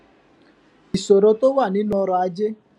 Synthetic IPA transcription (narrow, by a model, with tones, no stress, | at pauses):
i˨so˨ɾo˦to˦wa˦˨nɪ˦n˦ɔ˧˦ɾɔ˨a˦d͡ʒɪ˦